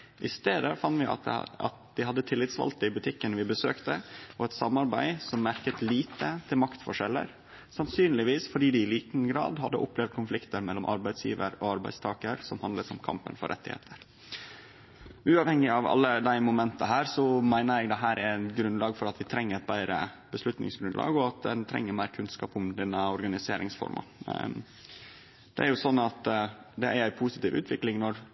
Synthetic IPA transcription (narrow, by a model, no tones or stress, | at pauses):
ʔɪst̪eːd̪əfɑnt̪ʋɪ̰ɑ̰t̪̚d̪ɪhɑd̪ːət̪ʰɪlːɪt̪sʋɑ̰lt̪ːɪbʉt̪ʰɪkːənʋɪbəsøːkt̪əɔɛt̪sɑmːɑɾbæɪsɔmːæɾkət̪liːt̪ʰət̪ʰɪlmɑkt̪fɔʂɛlːə̰ɾ | sɑnsyːnlɪʋiːsfɔɖiːd̪ɪɪliːt̪n̩ɡɾɑ̰ːd̪hɑd̪ːəʔʊpleːʋd̪̚kʰʊnflɪkt̪əɾmɛlːɔmʔɑ̰ɾbæɪsjḭːʋəɾɔːɑɾbæ̰ɪst̪ʰɑːkəɾsɔmhɑnd̪ləsɔmkʰɑ̰mpə̰nfɔ̰ɾʔɛ̰t̪ːɪ̰hḛːt̪ʰəɾ | ʉːɑʋhɛŋːɪɑʋɑ̰lːəd̪æɪmʊmɛnt̪əɦæːɾsɔmæɪnəɾɛɡd̪ɛɦæːɾʔæɾɡɾʉnlɑːɡfɔɾɑt̪ʋɪt̪ʰɾɛŋːəɾɛt̪̚bæɪɾə̰ | bəslʉt̪nɪ̰ŋsɡɾʉnd̪lɑ̰ːɡɔɑt̪̚d̪ɛnt̪ʰɾɛ̰ŋːəɾmæɪɾkʰʉnskɑːpʊmd̪ɛnːəɔɾɡɑnɪsḛːɾɪŋsfɔ̰ɾmʔɑ̰ | d̪̥ɛ̰æɾjʊsɔnːɑt̪d̪ɛæɾæɪpʰuːsɪt̪iːʋʔʉ̰ːt̪ʋɪklɪŋnɔɾ